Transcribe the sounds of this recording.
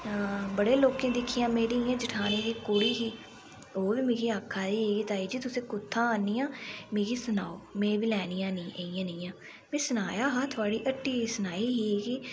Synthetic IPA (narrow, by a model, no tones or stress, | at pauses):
bəɽeːloːkẽːd̪ɪkʰːijãːmeːɾiːjãːd͡ʒəʈʰaːneːd̪iːkʊɽiːɦiː | oːʋiːmeːɡiːaːkʰːaːd̪iːɦeːɡiːt̪aːiːd͡ʒiːt̪ʊsẽːkʊt̪ʰːãːaːnːiːãːmeːɡiːsʊnaːoːmẽːbiːlɛːnijãːnĩːʔeːijãːnĩːjãː | mẽːsənaːjaːɦaːt̪ʰʊaːɽiːʔəʈːiːisənaːiːɦiːɡiː